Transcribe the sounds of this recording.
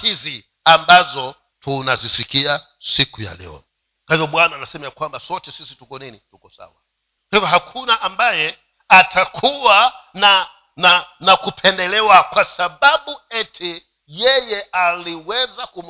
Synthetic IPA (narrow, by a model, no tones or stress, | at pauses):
izi | ambazɔ | tʰunazisikia | sikuja̰lɛ̰ɔ̰ | kahivɔɓwanaːnasɛmajakwambasɔtɛsisitukɔninitukɔsa̰wa | kahivaɦakʰunaʔambajɛ | atʰakʰuwana | nanakupʰɛndɛlɛwakwasaɓaɓuɛtʰi | jɛjɛʔaliwɛzakum